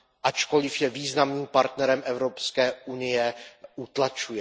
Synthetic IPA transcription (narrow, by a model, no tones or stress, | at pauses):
ʔat͡ʃko̞lɪfjɛviːznamniːmpaɾt̪nɛɾɛmʔɛvɾopskɛːunɪjɛʔut̪lat͡ʃujɛ